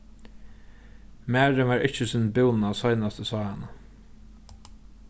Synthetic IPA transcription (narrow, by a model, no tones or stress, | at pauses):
mæːɹəʋɑːɹʔɪt͡ʃəsɪːnbɪwnasɔjnast̪əsɑːhana